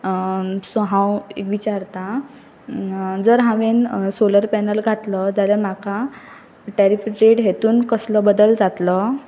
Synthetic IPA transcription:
sɔɦãwḛkʋit͡ɕaɾt̪a | d͡zəɾɦãʋensoləɾpɛnəlɡʱat̪lɔd͡zaljam̤akʰa | ʈɛɾifɾiɾeɽɦet̪uːnkəslɔbəd̪əld͡zat̪lɔ

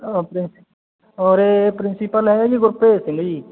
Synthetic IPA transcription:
ɔpɾɪn | ɔːɾepɾɪnsipəlɦɛeɡiɡʊɾpeːsɪ̃ŋɡd͡ʒiː

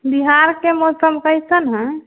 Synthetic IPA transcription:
biɦaɾkemɔsəmkəjt͡ʃʰənɦə̃

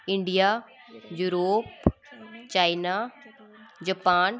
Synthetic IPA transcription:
ɪ̃ɳɖija | juːɾoːp | t͡ɕaːina | d͡ʑɐpaːn

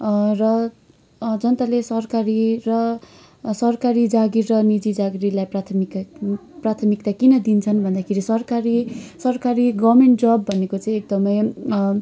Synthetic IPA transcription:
rʌ | d͡zʌnt̪alesʌrkaɾirʌ | sʌrkaɾid͡zaɡirrʌnid͡zid͡zaɡiɾilajprat̪ʰmikprat̪ʰʌmik̚t̪akinʌd̪int͡sʰʌnbʱʌnd̪akʰeɾisʌrkaɾisʌrkaɾiɡʌmeɳʈ̚d͡zʌbːʱʌnekot͡sãĩek̚d̪ʌmʌj

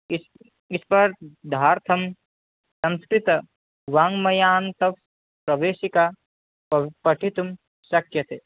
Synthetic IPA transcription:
is | ispɐɾd̪ʱaːɾt̪ʰɐm | sɐ̃nskɾit̪ɐ | ʋaːŋmɐjaːnt̪ɐf | pɾɐʋeːʃika | pɐʈʰit̪um | ʃɐkjɐt̪eː

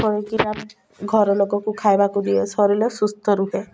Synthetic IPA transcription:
ɔɾekitap | ɡʱɔɾɔlokɔkukʰajbakud̪ijɔsɔɾilɔsust̪ʰɔɾuɦe

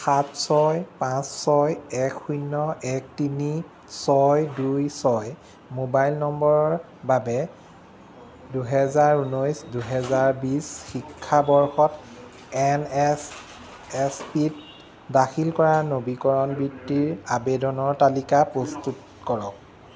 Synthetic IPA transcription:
xatsɔjpãsːɔjɛkʰːujnːɔɛk̚tini | sɔjdujsɔj | mobajlnɔmbɔɹɔɹ | babɛ | duɦɛzaɹunɔjsduɦɛzaɹbisxikʰːabɔɹxɔt | ɛnɛs | ɛspit | daxʰilkɔɹanobikɔɹɔnbɹitːiɹabɛdɔnɔɹtalikapɹɔstut̚ | kɔɹɔk̚

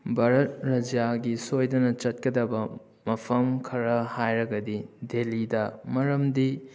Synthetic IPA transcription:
bɐɾɐt̚ɾɐd͡ʒaɡisojdɐnɐt͡ʃɐt̚kɐdɐbɐ | mɐpʰɐmkʰɐɾɐhajɾɐɡɐdidelidɐmɐɾɐmdi

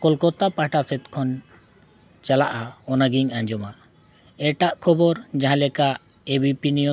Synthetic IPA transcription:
kɔlkɔt̪apaʈaset̪kʰɔn | t͡ʃalaʔaɔnaɡiŋaɲd͡ʒɔma | ɛʈaʔkʰɔbɔɾd͡ʒaɦãlɛkaʔ | ebipiniɔ

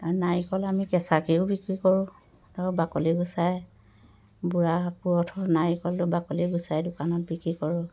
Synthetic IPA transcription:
anajikɔlamikɛsakiʊbikɹikɔɹʊ̃ | tabakɔliɡusaj | buɹapuɹɔtʰɔnajikɔltʊbakɔliɡusajdʊkanɔt̚bikɹikɔɹʊ̃

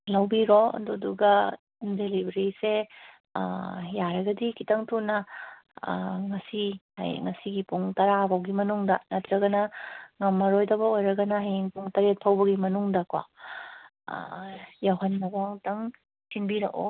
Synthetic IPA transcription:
lɐwbiɾoɐ̰duduɡɐ | delibɐɾisḛ | jaɾɐɡɐdikitɐŋtʰunːɐ̰ | ŋɐsiha̰jŋɐsiɡipuŋtɐɾabɐwɡimɐnuŋdɐnɐtʰɾɐɡɐnɐŋɐmːɐɾojdɐbɐojɾɐɡɐnɐheŋpuŋtɐɾet̚pʰɐwbɐɡimɐnuŋdɐkwa̰ | jawɦɐnːɐbɐŋtɐŋ | sinbiɾɐko̰

